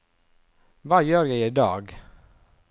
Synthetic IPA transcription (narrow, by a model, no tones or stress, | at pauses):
ʋɑːjøːɾjæɪɪd̪ɑ̰ːɡ